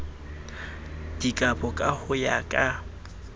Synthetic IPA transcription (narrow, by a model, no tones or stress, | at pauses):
d̥ikʼapʼɔkʼahʊjakʼa